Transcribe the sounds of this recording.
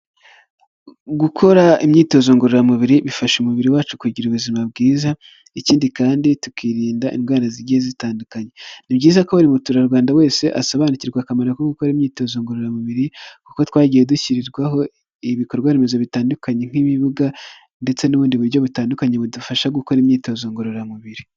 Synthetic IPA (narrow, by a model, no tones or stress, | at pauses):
ɡukʰo̞ɾaimɲiːto̞zo̞ːŋɡoɾoɾamuβiɾiβifaʃumuβiɾiwaːt͡ʃu̥kuɟiɾuβuzimabɡiːza | iciːndikaːnditukiːɾiːndaʔḭmɡaːnaziɟiezitaːndukaɲenibɟiːzakaβaɾimutuːɾaɾɡwaːndawe̞ːse̞ʔasaβaːniciɾɡwakamaɾakoɡukoɾimɲiːto̞ːzoːŋɡoɾoɾamuβiɾikuko̞twaːɟije̞duciɾiɾɡwaɦo̞ | iβiko̞ɾɡwaːɾeme̞zo̞βitaːndukaɲe̞ŋ̥iβiβuɡa | nde̞t͡se̞nuβuːndiβuɾɟo̞βutaːndukaɲe̞βudufaʃaɡuko̞ɾimɲiːto̞ːzoːŋɡoɾoɾamuβiɾi